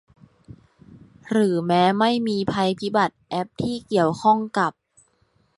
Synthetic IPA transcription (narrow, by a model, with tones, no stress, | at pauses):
ɾɯː˩˦mɛː˦˥ma˥˩jmiː˧pʰa˧jpʰi˦˥ba˨˩t̪̚ʔɛ˦˥p̚t̪ʰiː˥˩ki˨˩əwkʰɔ˥˩ŋka˨˩p̚